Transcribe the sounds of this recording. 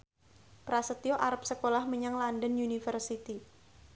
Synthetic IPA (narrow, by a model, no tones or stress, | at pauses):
pɾasət̪ioʔaɾəp̚səkolahməɲaŋlandənunifərsit̪i